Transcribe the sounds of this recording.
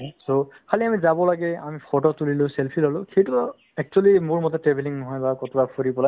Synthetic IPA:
sokʰaliamizabɔlaɡɛamipʰɔtɔtulilʊ̃sɛlpʰilɔlʊ̃xejtu | ɛk̚t͡ʃualimʊɹmɔtɛtɹɛbʱeliŋnɔɦɔjbakɔtbapʰoɹipɔla

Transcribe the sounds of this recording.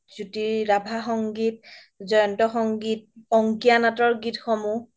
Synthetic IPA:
zutiɹabʱaxɔŋɡit | zɔjɔntɔxɔŋɡit̚ɔŋkianatɔɹɡitxɔmu

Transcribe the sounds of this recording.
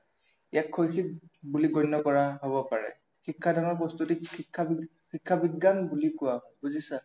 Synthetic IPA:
jakʰːojxit̚buliɡɔjnːɔkɔɹaɦoβɔpaɹɛ̰ | xikʰːadʱaŋɔpɔstutikʰːa | xikʰːabiɡːanbulikʊwabuzisa

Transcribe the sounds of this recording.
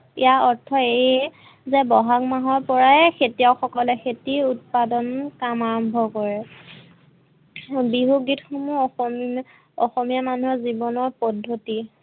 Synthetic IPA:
ḭjaɔɹtʰːɔe | zɛbɔɦakmaɦɔɹpɔɹaɛxʰetijawxɔkɔlɛxetiut̚padɔnkamaɹɔmbʱɔkɔɹɛ | biɦuɡitxomuɔxɔm | ɔxɔmijamanuɦɔzibɔnɔɹpɔdʱːoti

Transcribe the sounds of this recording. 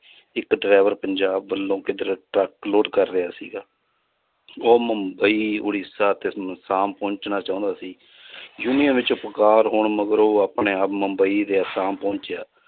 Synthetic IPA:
ɪkɖɾaːʋəɾpəɲd͡ʒaːbːəlːõːkɪd̪əɾʈəkloːʈkəɾːeaːsḭːɡaː | oːməmbəiːʊ̰ɽisaːt̪eːsaːmpõːɲt͡ʃnaːt͡ʃãːʊ̃ːnd̪aːsiː | juːnijənʋɪt͡ʃʊpkaːɾɦoːɳməɡəɾoːaːpneːəpməmbəiːd̪eːəsaːmpõːɲt͡ʃjaː

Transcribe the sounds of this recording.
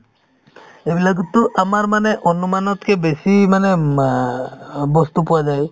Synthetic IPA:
ebiləɡt̪uʔamaɾmaneʔɔnumanɔt̪kebesimane | bɔst̪upuwad͡ʒaj

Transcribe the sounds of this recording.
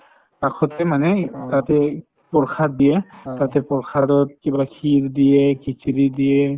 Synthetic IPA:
pakʰɔtɛmanɛtatɛ | pɔɹkʰat̚dijɛtatɛpɔɹkʰadɔt̚kibakʰildijɛkikʰilidijɛ

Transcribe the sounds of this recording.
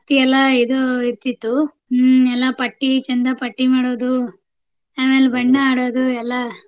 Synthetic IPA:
t̪iɛlːɐid̪oiɾt̪it̪ːu | ɛlːɐpɐʈːit͡ʃɐnd̪ɐpɐʈːimaːɽoːd̪u | aːmeːlbɐɳɖɐaːɽoːd̪uɛlːɐ

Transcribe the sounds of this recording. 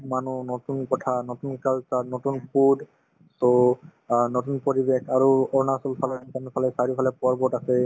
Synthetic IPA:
manunotunkɔtʰanotunkalsanotunpud | so | notunpoɹibekʰaɹuɔɹnasɔlpʰalansanpʰalɛsaɹipʰalɛpɔɹbɔtasɛ

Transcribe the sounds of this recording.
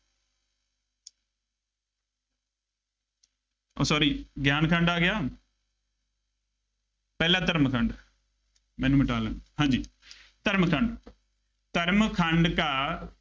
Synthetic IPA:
o̰ːsɔːɾiːɡjaːnkʰə̃ɳɖaːɡɪjaː | pɛːlãːt̪əɾmkʰəɳɖ | mɛ̃ːnːũːmɪʈaːlãːhãːɲd͡ʒiː | t̪əɾmkʰə̃ɳɖ | t̪əɾmkʰə̃ɳɖkaː

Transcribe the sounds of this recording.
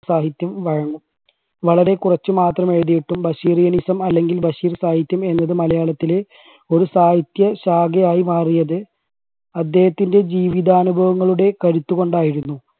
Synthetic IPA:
saːɦit̪jɐmʋɐɻɐŋːum | ʋɐɭɐɾe̞kurɐt͡ɕːɨmaːt̪rɐmeɻðijiʈːumbɐɕiːrijɐnisɐmɐlːe̞ŋɡilbɐɕiːrsaːɦit̪jɐme̞nːɐðɨmɐlɐjaːɭɐt̪ːile | o̞ɾusaːhit̪jɐɕaːɡɐjaːjimaːrijɐðɨ | ɐd̪ːeːhɐt̪ːinde̞d͡ʑiːʋiðaːnubʱɐʋɐŋːɐɭuɽe̞kɐɾut̪ːuɣo̞ɳɖaːjiɾunːu

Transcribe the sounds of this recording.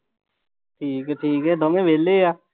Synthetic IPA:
ʈʰiːkɦɛːʈʰiːkɦɛːd̪ɔːmẽːʋʱeːlːeːaː

